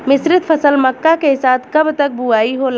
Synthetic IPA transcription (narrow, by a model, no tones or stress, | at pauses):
mɪsɾɪt̪pʰəsəlməkːakeɦɪsad̪kəbt̪ək̚buaiɦol